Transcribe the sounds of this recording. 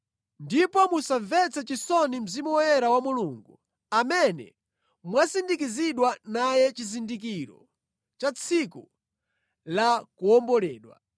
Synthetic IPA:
ndipɔmusavɛt͡sɛt͡ʃisɔnim̩zimuɛɾawamuluŋɡu | amɛnɛ̰ | mwasindik̬iziɗwanajɛt͡ʃizindik̬iɾɔ̰ | t͡ʃat͡sʰiku | lakuɔmbɔlɛːɗwa̰

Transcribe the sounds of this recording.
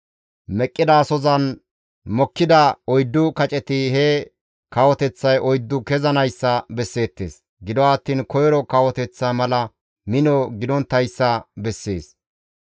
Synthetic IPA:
mɛkʼːɪd̪aːsɔzɐn | mɔkːɪd̪ɐɔjd̪ːʊkɐt͡ʃʼɛt̪ɪhɛ | kɐwɔt̪ɛt͡sːɐjʔɔjd̪ːʊkɛzɐnɐjsːɐbɛsːe̞ːt̪ːe̞̰ːs | ɡɪd̪ɔwaːt̪ːiːnkɔjɾɔkɐwɔt̪ɛt͡sːɐmɐlɐ | mɪnɔɡɪd̪ɔnt̪ːɐjsːɐbɛsːeːs

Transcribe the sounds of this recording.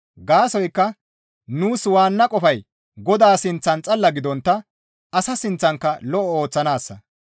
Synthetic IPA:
ɡaːsɔjkːɐ | nuːswaːnːɐkʼɔfɐj | ɡɔd̪aːsɪnt͡sːɐnt͡sʼɐlːɐɡɪd̪ɔnt̪ːɐ | ɐsɐsɪnt͡sːɐŋkːɐlɔʔɔo̞ːt͡sːɐnaːsːɐ

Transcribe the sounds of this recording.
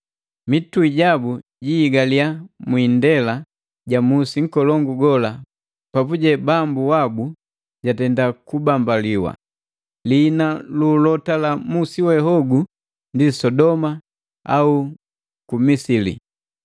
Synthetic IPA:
mituiɟabu | ɟiːɡaliamwiːndɛla | ɟamusiŋ̩kɔlɔŋɡuɡɔla | papuɟɛbambuwabu | ɟatɛndakubambaliwa̰ | linalulɔtalamusiwɛɦɔɡu | ndisɔdɔma | a̰u | kumisilḭ

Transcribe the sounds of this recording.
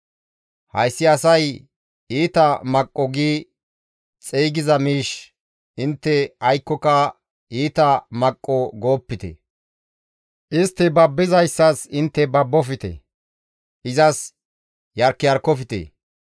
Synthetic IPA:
hɐjsːɪɐsɐj | iːt̪ɐmɐkʼːɔɡiː | t͡sʼiːɡɪzɐmiːʃ | ɪnt̪ːɛɐjkːɔkɐ | iːt̪ɐmɐkʼːɔɡo̞ːpːɪt̪ɛ̰ | ʔɪst̪ːɛbɐbːɪzɐjsːɐsɪnt̪ːɛbɐbːɔfɪt̪ɛ̰ | ʔɪzɐs | jɐɾkːɪjɐɾkːɔfɪt̪ḛ

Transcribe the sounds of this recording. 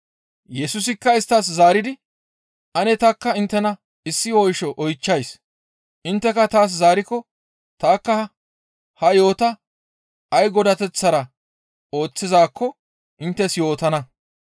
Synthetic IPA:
jɛsʊs̬ɪkːɐɪst̪ːas̬zaːɾɪd̪ɪ | ʔɐnɛt̪ɐkːɐɪnt̪ːɛnɐ | ɪsːɪwɔjʃɔʔɔjt͡ʃːɐjs | ʔɪnt̪ːɛkɐt̪aːs̬zaːɾɪkɔ | t̪aːkːɐ | hɐjo̞ːt̪ɐ | ɐjɡɔd̪ɐt̪ɛt͡sːɐɾɐ | o̞ːt͡sːɪzaːkʰːɔ | ʔɪnt̪ːɛsjo̞ːt̪ɐnɐ

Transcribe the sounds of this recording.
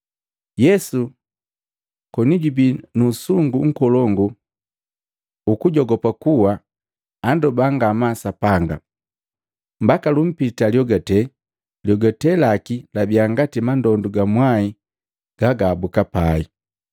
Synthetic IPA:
jɛsu | kɔniɟubinusuŋɡuŋ̩kɔlɔŋɡu | ukuɟɔɡɔpakuwaː | ndɔbaŋɡamasapaŋɡa̰ | m̩bakalum̩pitaljɔɡatɛ | ljɔɡatɛlakilabiaŋɡatimandɔnduɡamwai | ɡ̥aɡaːbukapai

